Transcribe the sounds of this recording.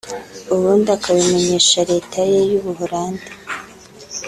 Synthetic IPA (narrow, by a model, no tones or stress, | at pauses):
uβundakʰaβime̞ɲe̞ːʃaɾe̞ːtʰaje̞juβuɦuɾaːndi